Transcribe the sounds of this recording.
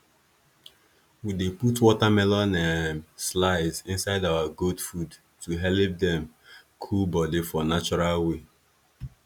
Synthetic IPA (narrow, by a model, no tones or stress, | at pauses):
wideputwɔtamɛlɔnãslaɪzɪ̃nsaɪdawaɡodfud | tuɦɛlip̚dɛ̃m | kʰulbɔdifɔnat͡ʃɔɹalwe